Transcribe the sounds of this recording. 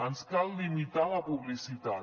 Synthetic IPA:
ənskalːimit̪alapuβlisit̪a

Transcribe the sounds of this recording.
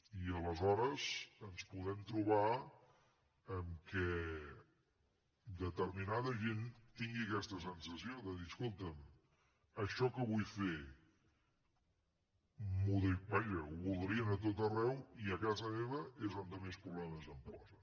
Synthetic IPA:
iələzɔɾəzənspuðɛmt̪ɾuβ̞a | əmkɛ | d̪ət̪ərminaðəʒent̪iŋɡiəkɛst̪əsənsəsioðəðiskolˠt̪əm | əʃɔkəβujfe | muðibaʒəuβulˠd̪ɾiənət̪̬ot̪ərɛwiəkazəmeβəezond̪əmespɾuβ̞lɛməzəmpɔzə

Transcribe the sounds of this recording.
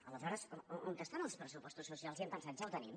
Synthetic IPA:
ələzɔɾəzount̪əst̪anəlˠspɾəsupɔst̪usːusialˠziamp̪ənsanzawt̪ənim

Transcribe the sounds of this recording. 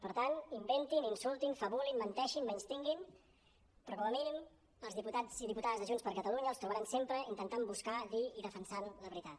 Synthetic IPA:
pəɾt̪animbent̪ininsulˠt̪infəβulinmənt̪ɛʃinmɛnst̪iŋɡin | pɾɔkɔməminim | əlˠzðiput̪ad͡ziðiput̪aðəzðəʒunspəɾkət̪əluɲəlˠst̪ɾuβəɾansempɾəint̪ənt̪ambuskaðiiðəfənsanləβɾit̪at̪

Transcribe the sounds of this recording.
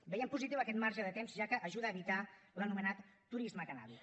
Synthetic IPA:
bəjɛmpuzit̪iwəkɛt̪̚maɾrʒəðət̪emzʒakəʔːʒuðəːβit̪alənumənat̪ː | uɾizməkəna̰ðu

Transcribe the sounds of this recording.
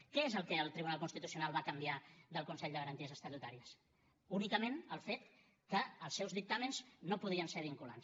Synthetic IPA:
kɛezəlˠkɛəlˠt̪ɾiβunalˠkunst̪it̪usiunalˠβakəmbiaðəlˠkunsɛʎd̪əɣəɾənt̪iəzəst̪ət̪ut̪aɾiəs | unikəmenəlˠfet̪ | kəəlˠsːɛwzðik̚t̪amənznopuð̞iənseɾβ̞iŋkula̰ns

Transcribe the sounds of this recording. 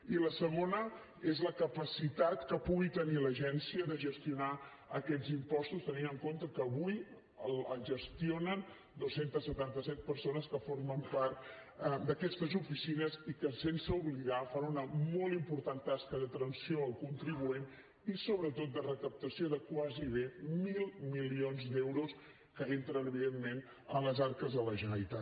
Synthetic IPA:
iləsəɣ̞onə | ezləkəpəsit̪at̪kəpuɣit̪əniləʒɛnsiəðəʒəst̪iuna | əkɛd͡zimpɔst̪ust̪əninəŋkont̪əkəːβuj | ələʒəst̪ionən | d̪osent̪əsːət̪ant̪əsɛt̪̚pəɾsonəskəforməmpart̪̚d̪əkɛst̪əzufisinəzikəsensəuβliɣafanunəmɔlˠimpuɾt̪ant̪askəðət̪ɾənsioəlˠkunt̪ɾiβuen | isoβɾət̪ot̪̚d̪ərəkəp̚t̪əsioðəkwaziβemilˠmilionzd̪ɛwɾus | kəent̪ɾənəβiðemmen | ələzaɾkəzðələʒənəlit̪a

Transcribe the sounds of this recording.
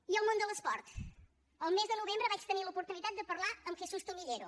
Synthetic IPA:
iəlˠmõnd̪əlˠəspɔɾt̪ | əlˠmezðənuβembɾəβat͡ʃt̪əniləupuɾt̪unit̪at̪̚d̪əpəɾlaəmxesust̪umiʎeɾu

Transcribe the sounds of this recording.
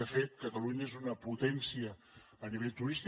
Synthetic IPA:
əfet̪̚kət̪əluɲəezunəput̪ɛnsiəː | niβ̞eʎt̪uɾist̪

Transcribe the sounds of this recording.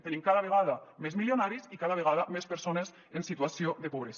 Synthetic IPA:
t̪enimkaðaβeɣaðamezmiljonaɾisikaðaβeɣaðamespeɾsones | ensit̪uasioðekoβɾes

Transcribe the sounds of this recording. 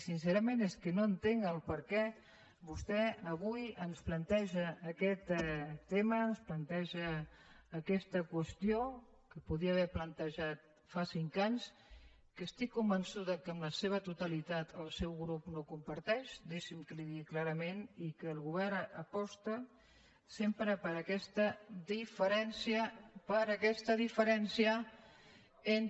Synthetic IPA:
sinsɛɾəmeneskənoənt̪eŋəlˠpəɾkɛ | bust̪ɛəβujənsplənt̪ɛʒəːkɛt̪ːeməːnsplənt̪ɛʒəː | kɛst̪əkwəst̪jo | kəpuðiəːβɛɾplənt̪əʒat̪̚ | fasiŋkaɲs | kəst̪ikːumbənsuðəkəːmləseβ̞ət̪ut̪əlit̪at̪ʰəlˠsɛwɣɾupnokumpəɾt̪ɛʃd̪iʃimkəliðiklaɾəmenikəːlˠɣuβ̞ɛrəpɔst̪ə | sempɾəpəɾəkɛst̪ədifəɾɛnsiəpəɾəkɛst̪əðifəɾɛnsiə | en

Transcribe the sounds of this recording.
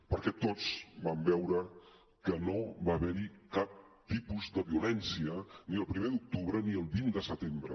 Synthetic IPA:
pəɾkɛt̪ot͡sbambɛwɾə | kənoβaβɛɾikap̚t̪ipuzd̪əβiulɛnsiəniəlˠpɾimed̪uk̚t̪uβɾəniəlˠβind̪əsət̪embɾə

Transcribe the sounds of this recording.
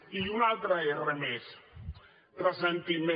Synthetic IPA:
iunalt̪ɾaeremes | tɾəsent̪imẽ

